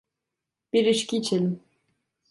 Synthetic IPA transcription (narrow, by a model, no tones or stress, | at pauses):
b̥iɾiʃcit͡ʃʰilm